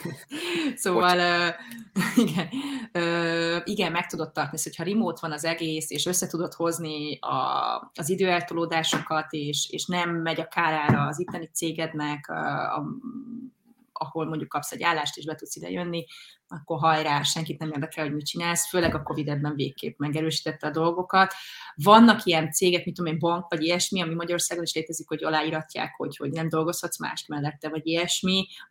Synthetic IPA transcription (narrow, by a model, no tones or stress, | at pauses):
soːvɒløː | iɡɛnøːiɡɛmːɛk̚t̪ud̪o̞t̪ːɒrt̪ɒniso̥cʰhɒɾimoːt̪ʋɒnɒzɛɡeːseːʃø̞sːɛt̪ud̪o̞t̪ho̞zniɒ̰ɒzid̪øːɛlt̪oloːd̪aːʃo̞kɒt̪eːʃḛːʃnɛmːɛɟɒkaːɾaːɾɒːzit̪ːɛnit̪seːɡɛd̪nɛkø̰ɒ̰ | ɒ̰ho̞lmo̞ɲɟukːɒpsɛɟa̰ːlːaːʃt̪eːʒbɛt̪ut̪sid̪ɛ̰jønːiɒkːo̞rɦɒjɾaːʃɛŋkit̪nɛmeːrd̪ɛkɛlho̞ɟmit͡ʃinaːlsføːlɛɡɒko̞vid̪ɛbːɛɱveːkːḛːpmɛɡɛɾøːʃi̥ːt̪ɛt̪ːɛɒd̪o̞lɡo̞kɒt̪vɒnːɒkijɛnt̪seːɡɛk̚mit̪od̪omembɒŋkvɒɟiɛʃmiɒmimɒɟɒɾo̞rsaːɡo̞niʃleːt̪ɛzikho̞ɟɒlaːiɾɒcːa̰ːkho̞̰cho̞ɟnɛmd̪o̞lɡo̞shɒt̪sma̰ːʃt̪mɛlːɛt̪ːɛvɒɟiɛʃmi